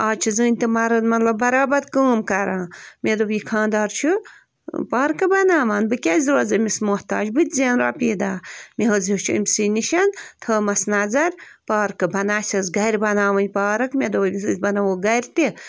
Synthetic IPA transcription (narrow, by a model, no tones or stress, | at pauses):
aːt͡ʃʰizɨːnʲt̪imɐɾɐnmɐt̪lɐbbɐɾaːbɐd̪kəːmkɐɾãːmed̪ubjikʰãːnd̪aːɾt͡ʃʰu | paːɾkɨbɐnaːʋaːnbɨkʲɐzʲɾoːzɨmismoht̪a̰ːd͡ʒbɨt̪ʲzeːnɾaːpiːd̪aːmiɦɨzit͡ʃʰiɨ̰mʲsɨniʃɐnt̪ʰəːmɐsnɐzɐɾʲ | paːɾkɨbɐnaːsʲɐzɡɐɾʲbɐnaːʋɐnʲpaːɾɐkmʲed̪ozʲbɐnɐwoːɡɐɾʲt̪i